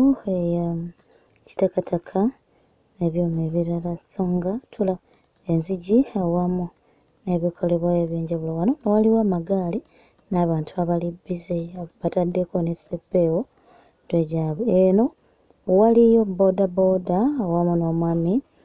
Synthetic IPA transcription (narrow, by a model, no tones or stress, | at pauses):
eja | ci̥takatakʰa | neβjoːmeβiɾalasoŋɡatʰula | e̞nziɟiawamu | ne̞βikʰo̞le̞βwaeβjeːɲɟaβulowanonowaliwaːmaɡaːli | naːβaːntʰuaβalibizeβatadːe̞ko̞nesepːe̞wo | tweɟaːβeeno̞ | walijo̞bo̞dabo̞daːwamunoːmwaːmi